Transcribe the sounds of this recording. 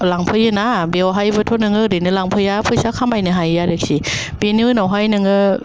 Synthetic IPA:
laŋpʰɯjɯnabiwɦajbɯt̪ʰonɯŋɯdinɯlaŋpʰɯjapʰɯsakʰamajnɯɦajjadɯk̚si | binɯnawɦajnɯŋə

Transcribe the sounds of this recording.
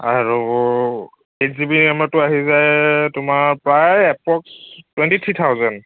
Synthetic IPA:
aɹu | etzibinɛmatʊaɦizajtʊmaɹpɹajɛpɔkstwɛntitʰɹitʰawzɔn

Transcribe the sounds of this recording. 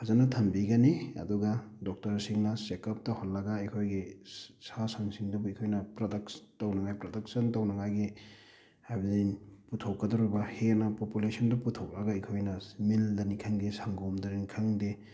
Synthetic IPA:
hazanɐtʰɐmbiɡɐniɐ̰duɡadɔk̚tɐɾsiŋnɐsekɐp̚tɐhɔlːɐɡaikʰojɡisasaŋsiŋdubuikʰojnɐpɾodɐkstawnɐŋajpɾodɐk̚sɐntɐwnɐŋajɡi | hajbɐzijnputʰokːɐdɔɾubɐhenɐpopulesɔndɐputʰɔk̚lɐɡaikʰojnɐmildɐnikʰaŋdesaŋɡomdɐninikʰaŋde

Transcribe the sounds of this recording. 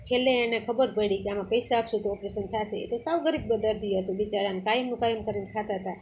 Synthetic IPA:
t͡ʃʰelːeːñekʰəbəɾpəɽikeamãpəjsaapʃũt̪oɔpɾesənt̪ʰat͡ʃʰeḛt̪osawɡəɾib̚bəd̪əɾd̪ʱiɦət̪ũʋit͡ʃaɾankaimnũkajəmkəɾinkʰat̪aɦt̪a

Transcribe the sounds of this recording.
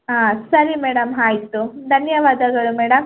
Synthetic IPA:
ɦãːsɐɾimɛːɽɐmɦaːjt̪ud̪ʱɐnjɐʋaːd̪ɐɡɐɭumɛːɽɐm

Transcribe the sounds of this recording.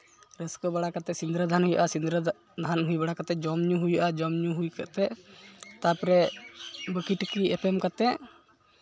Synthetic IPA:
ɾəskɔbaɽakat̪ɛsind̪ɾəd̪ʱanhujaʔasind̪ɾə | d̪ʱanɦujbaɽakat̪ɛd͡ʒɔmɲuɦujaʔad͡ʒɔmɲuɦujkaʔt̪ɛʔt̪apɾɛ | bəkiʈkiɛpɛmkat̪ɛʔ

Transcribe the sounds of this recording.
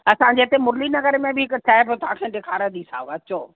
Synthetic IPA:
ɐsãd͡ʑeːt̪emʊɾlinɐɡəɾmẽbɪɦɪkʊʈʰaːɪbot̪ʊɦãːkʰẽːɖ̪ekʰaːɾə̃d̪isa̰ːɐt͡ɕoː

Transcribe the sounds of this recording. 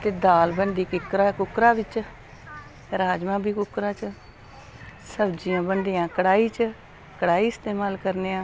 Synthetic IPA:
t̪eːd̪aːlbəɳɖiːkɪkɾaːkʊkɾãːbɪt͡ʃ | ɾaːd͡ʒmãːbiːkʊkɾãːt͡ʃ | səbd͡ʒijãːbəɳɖijãːkəɽaːiːt͡ʃ | kəɽaːiːɪst̪eːmaːlkəɾneːãː

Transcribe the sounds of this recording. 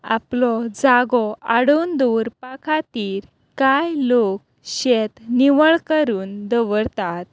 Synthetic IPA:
a̰plɔd͡zaɡɔaɽuːnd̪uɾpakʰat̪iːɾ | kajlok̚ | ɕet̪niʋəɭkəɾuːnd̪əʋəɾt̪at̪̚

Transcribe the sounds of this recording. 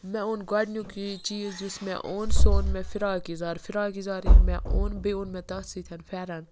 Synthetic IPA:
mɛ̃onɡɐɖnjũkit͡ʃiːzd͡ʒusmɛ̰̃ʔonsoːnmɛ̃fiɾaːkizaːɾfiɾaːkizaːɾinmɛ̃ʔoːnbeunmɛ̃t̪ɐsit̪ʲʰɐnfɛːɾɐn

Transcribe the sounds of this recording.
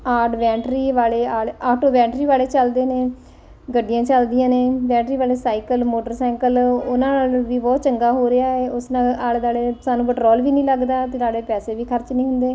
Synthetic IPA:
aːɖʋɛ̃ːɳʈɾiːʋaːleːaːlaːʈoːbɛ̃ːɳʈɾiːʋaːleːt͡ʃəld̪eːneː | ɡəɖɪjãːt͡ʃəld̪ɪjãːneːʋɛ̃ːɳʈɾiːʋaːleːsaːikəlmoːʈəɾsɛ̃ːŋkəlʊnãːnaːlʋiːbɔːt̪t͡ʃəŋɡaːɦoːɾɪaːeːʊsnãːaːld̪aːleːsaːnũːpəʈɾɔːlʋiːnĩːləɡd̪aːt̪eːɾaːɽeːpɛːseːʋiːkʰəɾt͡ʃnĩːɦʊnd̪eː

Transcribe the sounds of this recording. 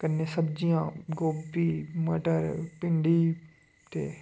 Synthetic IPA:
kənːeːsəbd͡ʒijãːɡoːbiːməʈəɾpɪɳɖiː | t̪ḛː

